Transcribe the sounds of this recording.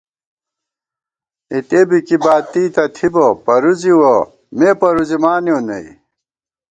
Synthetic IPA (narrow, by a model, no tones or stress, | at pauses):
it̪ebikibaːt̪iːt̪ɐt̪ʰibopɐɾuziwo | mepɐɾuzimaːnjõːnɐ̰ḭ